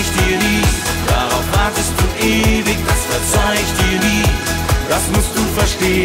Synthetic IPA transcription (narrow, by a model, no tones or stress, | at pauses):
çd̥iːviː | d̥aːʁaʊfhatəsd̥uːʔeːvɪçdasfɛɐt͡saɪçd̥iːviːd̥asmʊst̚d̥uːfɛʃteː